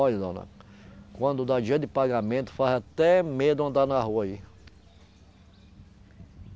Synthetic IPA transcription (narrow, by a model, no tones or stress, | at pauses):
ɔjzõ̰nɐ̰kwɐ̃nd̪ʊd̪ad͡ʒiɐd̪ɪpaɡamẽt̪ʊ̥fazat̪ɛmed̪ʊɐ̃nd̪anaɦuɐi